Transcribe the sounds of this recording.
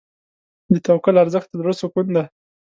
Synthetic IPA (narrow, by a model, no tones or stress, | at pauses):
d̪ət̪awkəlaɾzəxt̪̚ad̪ɾosokʊnna